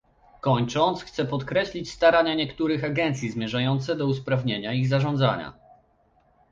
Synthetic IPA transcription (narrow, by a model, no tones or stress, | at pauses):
kɔɲt͡ʂɔnt̪sxt̪sɛpɔt̪kɾɛɕlʲit͡ɕst̪aɾaɲaɲɛkt̪uɾɘxaɡɛnt̪sʲjizmʲjɛʐajɔnt̪sɛd̪ɔuspɾavɲeɲaiɣzaʐɔ̃nd̪za̰ɲa̰